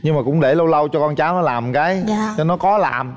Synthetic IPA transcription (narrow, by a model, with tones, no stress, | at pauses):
ɲɨ˧ŋmaː˨˩kʊ̰˧˥ŋ͡mɗe˧˩lə˧wlə˧wt͡ɕɔ˧kɔ˧nt͡ɕaː˨˦wnɔ˨˦laː˨˩mkaː˨˦jt͡ɕɔ˧nɔ˨˦kɔ˨˦la̰ː˨˩m